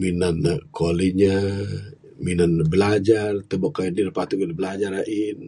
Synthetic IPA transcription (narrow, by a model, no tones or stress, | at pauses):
minankoliɲa | minanbəlad͡ʒart̪əbaʔkajannidəpat̪ukədbəlad͡ʒaraʔin